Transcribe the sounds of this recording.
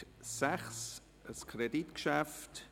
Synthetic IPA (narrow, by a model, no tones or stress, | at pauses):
sɛχs | əskʰreditkʃæft